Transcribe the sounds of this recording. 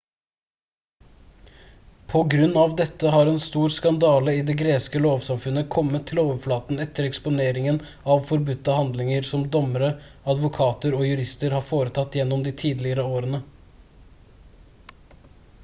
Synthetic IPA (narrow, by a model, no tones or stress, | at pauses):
pʰɔɡɾʉnːɑʋd̪ɛt̪ːəɦɑːɾɛnst̪uːɾskɑnd̪ɑːləiːd̪eːɡɾeːskəloːʋsɑmfʉnəkʰɔmːət̪ʰːɪloːʋəflɑːt̪n̩ɛt̪ʰːəɾɛkspʊneːɾɪŋən | ɑʋfɔɾbʉt̪ːəhɑnd̪lɪŋəɾsɔmd̪ɔməɾəɑd̪ʋʊkʰɑːt̪əɾɔːjʉɾɪst̪əɾhɑːfoːɾət̪ʰɑt̪ːjɛnːɔmd̪ɪt̪ʰiːd̪lɪəɾəoːɾənə